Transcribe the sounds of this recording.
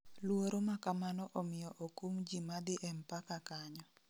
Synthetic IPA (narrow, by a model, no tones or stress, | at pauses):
lwoɾomakamanɔʔɔmɪjɔʔokumd͡ʒimad̪ɪʔɛmpakakaɲɔ